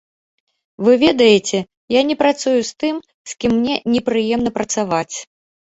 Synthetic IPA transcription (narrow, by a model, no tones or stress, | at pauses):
vɨvʲɛd̪ɐjet͡sʲɛ | janʲɛpɾat̪sujust̪ɨm | skʲimːnʲɛnʲɛpɾɨjɛmn̪ɐpɾɐt̪savat͡sʲ